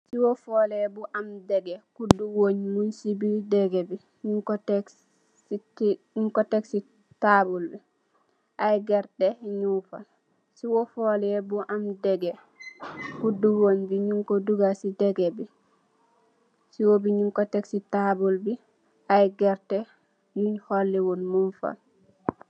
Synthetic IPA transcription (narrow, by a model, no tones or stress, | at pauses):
siwɔfɔlɛbuʔamdɛɡɛkudːuwoɲmunsibidɛɡɛbi | ɲuŋkɔtɛ | ɲuŋkɔtɛksi | tabulbi | ʔajɡɛɾtɛɲufa̰ | siwɔfɔlɛbuʔamdɛɡɛ | kuduonbiɲuŋkɔduɡasidɛɡɛbi | siwobiɲuŋkɔtɛksitabulbi | ajɡɛɾtɛ | juɲhɔlːɛwonmunfa̰l